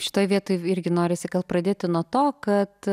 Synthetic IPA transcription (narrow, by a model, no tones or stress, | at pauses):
ʃʲɪ̥t̪oːjʋʲiɛt̪oːjɪɾʲɡʲɪnoːɾʲɪsʲɪkɐt̪ˠpɾɐd̪ʲeːt̪ʲɪnuɔt̪oːkɐt̪